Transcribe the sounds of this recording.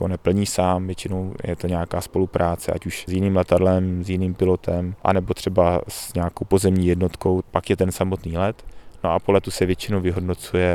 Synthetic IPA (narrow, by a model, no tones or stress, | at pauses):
onɛpl̩ɲiːsaːmvjɛt͡ʃɪno̞wjɛ̰t̪oɲɛakaːspo̞lupɾaːt͡sɛ̰ʔa̰cuʃzjɪniːmlɛt̪adlɛmzjɪniːmpɪlo̞t̪ʰɛmʔa̰nɛbot̪r̝̥ɛbasɲɛakowpo̞zɛmɲiːjɛdno̞t̪ko̞wpakjɛt̪ɛnsamot̪niːlɛt̪no̞ʔapolɛt̪usɛvjɛt͡ʃɪnowvɪɦo̞dno̞t͡sujɛ